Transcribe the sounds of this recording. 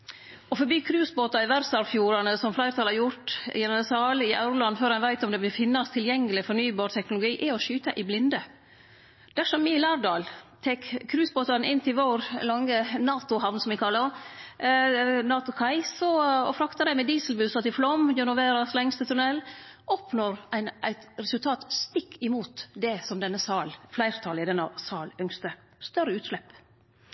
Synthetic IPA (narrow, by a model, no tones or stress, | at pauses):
ɔfɔbyːkʰɾʉːsboːt̪ɑɪʋæɾsɑɾfjuːɾɑnəsɔmflæɪɾt̪ɑlhɑɾjʊʈjɛnəɑsɑːlɪʔɑ̰ʉɾlɑnːføːɾhɑnʋæɪt̪ɔmd̪ɛb̪ɪlfɪnːɑst̪ʰɪljɛŋːəlɪfɔɳyːbɑːɾt̪ʰɛknʊlʊɡiːʔɪɔʃyːt̪ɑʔɪblɪnd̪ə | d̪̥æʂɔmːiːɪlɑːɾd̪ɑːlt̪ʰɛkkʰːɾʉːsboːt̪ɑnɪnːt̪ʰɪʋoːɾlɑŋːənɑːt̪ʊhɑʋnsɔmʋɪkʰɑlːə | nɑːt̪ʊkʰɑɪsɔɔ̰fɾɑkt̪ɑd̪æɪmɛd̪iːsəlbʉsɑt̪ɪflɔmːjœnʊʋeːɾɑslɛŋst̪ət̪ʰʉnɛlʔɔpnoːɾæɪnæ̰ɪt̪ɾɛsʉlt̪ʰɑːt̪st̪ɪkːɪmuːt̪d̪ɛsɔmd̪ɛnːəsɑːlflæɪɾt̪ʰɑlɪd̪ɛnːɑsɑːlœŋst̪ə | st̪œɾəʉːt̪slɛp